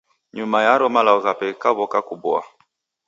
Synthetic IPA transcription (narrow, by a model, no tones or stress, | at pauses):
ɲumajaɾɔmalaɔɣapɛkaβɔkakubwa̰